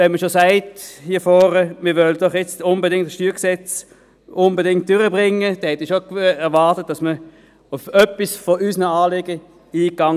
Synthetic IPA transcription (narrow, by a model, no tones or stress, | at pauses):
ʋɛnməʃosaɪthiːɐfɔːʁəmɪʋœld̥ɔχjɛt͡stʊnbədɪŋtsʃtyːksɛt͡s | ʊnbədɪŋt̚d̥øʁəbʁɪŋːəd̥ɛnhɛtiːʃokɛɐvɑːʁtət̚d̥ɑsmə | ʊfœpːisfɔʔysnəaːlɪɡə | iːkːɑŋ